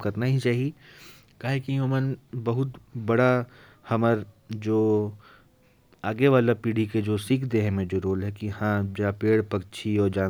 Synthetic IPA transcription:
kɐɾnaɦĩt͡ʃaːɦi | kaːɦekijõːmənbɐɦʊt̪bɐɽa | hɐməɾd͡ʒoː | aːɡeʋaːlapiːɽ̤iked͡ʒoːsiːkʰd̪eːɦɛ̃mẽd͡ʒoːɾoːlɦɛkihãd͡ʒapeːɽpɐkt͡ʃʰiɔːɾd͡ʒãː

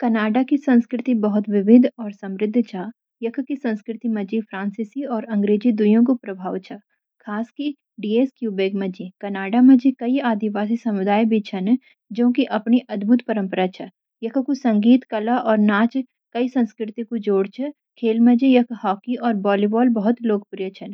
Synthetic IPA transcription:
kɐnaːɖakisɐ̃nskɾɪt̪ibɐɦʊt̪ʋɪʋɪd̪ʱɔːɾsɐ̃mɾɪd̪ʱːt͡ʃʰaː | jɐkʰkisɐ̃nskɾɪt̪imɐ̃d͡ʒipʰɾãːnsisiɔːɾɐ̃ŋɡɾeːd͡ʒid̪ʊjõk̬opɾɐbʱaːʋt͡ʃʰɐ | kʰaːski | ɖiːeːskjuːbeːɡmẽd͡ʒikɐnaːɖamɐ̃d͡ʒikɐiaːd̪iʋaːs̬isɐmʊd̪aːjbʱit͡ʃʰɐn | d͡ʒõːkiʔɐpniʔɐd̪bʱut̪pɐɾə̃mpəɾat͡ʃʰɐ | jɐkʰkusɐ̃ŋɡiːt̪kɐlaʔɔːɾnaːt͡ʃ | kɐisɐ̃nskɾɪt̪ikod͡ʒoːɽt͡ʃʰə | kʰeːlmə̃d͡ʒijɐkʰhɔːkiʔɔːɾbɔːlibɔːlbɐɦʊt̪loːɡpʊɾjət͡ʃʰɐn

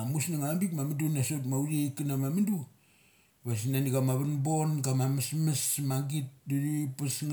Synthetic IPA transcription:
musnaŋambik̚mamindunasot̬mauɾieikinamamindu | βas̬inaniɡamaβanbonɡamamismismaŋɡit̚diɾipisŋ

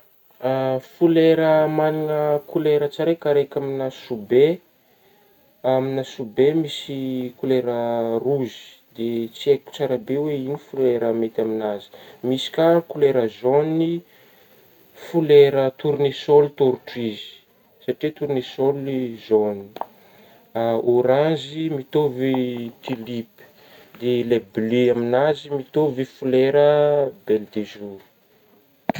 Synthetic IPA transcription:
afuleɾəmaninəkʰuleɾət͡saɾekaɾekʲaminasube | aminəsubemisikuleɾəruzi̥ | d̪et͡sieku̥t͡saɾabeweinifuleɾəmet̪aminazi̥misi̥kakuleɾəzoni | fuleɾət̪uɾnesolit̪oɾuʈ͡ʂizi̥ | saʈ͡ʂet̪uɾnesolizoni | aoɾãzimit̪ovit̪ilip | d̪elebleaminazimit̪ovifuleɾəbeld̪ezuɾu̥

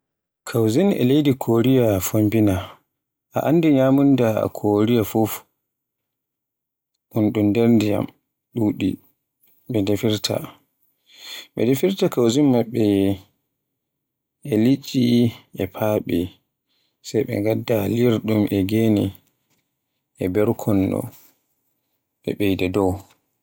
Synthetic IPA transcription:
kʰawzinɛ̰lejdikʰoɾijafombina | ʔa̰ʔandiɲaːmunda̰kʰoɾijafuf | ʔunɗundeɾndija̰m | ɗuːɗḭ | ɓɛdefiɾtʰa̰ | ɓɛ̰defiɾtakawzimːaɓːɛ | ɛlit͡ʃʼːiʔɛpʰaːɓɛ | sajɓɛ̰ŋɡadːaliɾɗumʔɛɡenḭ | ɛbɛɾkʰɔnːɔ̰ | ɓɛ̰ɓejdadɔw

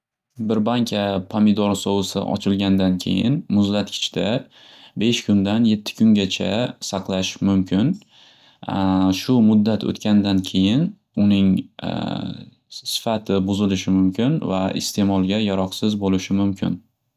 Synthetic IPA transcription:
bɪɾbaŋkʲʰapʰamɪd̪ɒɾsɒwɪsɪ̰ʔɒ̰t͡ʃʰɪlɡʲand̪ankʲʰe̞̰jɪ̰nmʊzlat̪kʲʰɪ̥t͡ʃʰd̪a | be̞ʃkʰʊnd̪anje̞t̪ʰːɪ̥kʰʊŋɡʲat͡ʃʰa̰sɑqlˠaʃmʊmkʲʰɪn | ʃʊmʊd̪ːat̪ʰo̰t̪kʲand̪ankʲʰe̞jɪn | ʊnɪŋ | sɪ̥fat̪ʰɪbʊzɪlɪʃɪmʊmkʲʰɪnva̰ɪ̰st̪ʰe̞mɒlˠɡʲajaɾɒqsɪzbolɪʃɪmʊmkʲʰɪn

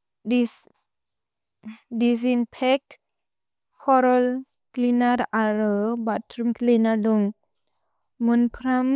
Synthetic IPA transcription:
di | dis̬inpʰɛk̚ | pʰɔɾɔl | klinaɾaɾɔbatʰɾumklinaɾdɔŋ | munpʰɾam

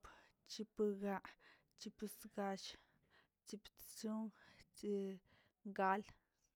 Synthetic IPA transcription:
pt͡ʃipəɡaʔ | t͡ʃipsɡaʃ | t͡ʃipt͡suŋt͡ʃi | ɡal

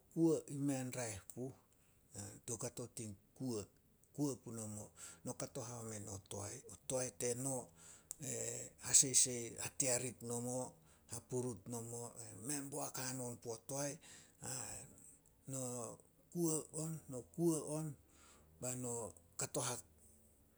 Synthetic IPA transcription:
kuaʔimenɾaehpu | atokato̞tiŋkuə | kuapunomo̞no̞kato̞ɦameno̞to̰a̰jotoajte̞no̞ehasejsejateaɾitno̞mo | hapuɾutno̞moeme̞mboakano̞npootoaja | no | kuaonːo̞kuaʔonbano̞kato̞ɦak̚

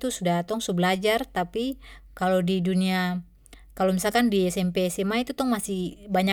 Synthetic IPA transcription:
t̪usudat̪ɔŋsubəlad͡ʒart̪apikalodidunia | kalomisalkandiɛsɛmpeːsɛmait̪ut̪ɔŋmasihbaɲa

